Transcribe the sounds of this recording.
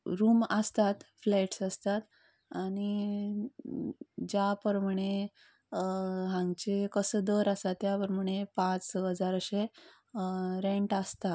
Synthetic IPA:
ɾuːməst̪at̪flaʈsəst̪at̪ | aɽ̃i | d͡ʑapəɾməɽ̃e | ɦãŋɡt͡ɕekəsəːd̪əɾəst̪at̪ːjapəɾməɽ̃epãt͡sɦəd͡zaɾɕe | ɾeɳʈəst̪a

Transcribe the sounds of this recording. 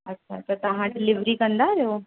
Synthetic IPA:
ɐtːʃʰat̪əɾt̪ɐɦãʈlɪʋɾikə̃nd̪aɾeo

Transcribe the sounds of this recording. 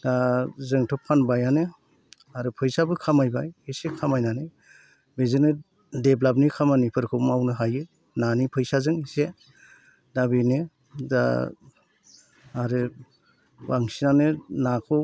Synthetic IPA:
dazɯŋtʰɔp̚kʰanbajanɯ | aɾɯpʰɯjsabɯkʰamajbajhisekʰamajnanɯ | bezɯnɯ | deblabnikʰamanipʰɯɾkʰɯwmawnɯɦajɯ | nanipʰɯjsazɯŋise | dabenɯ | da̰ | aɾɯ | waŋsinanɯnakʰɔw

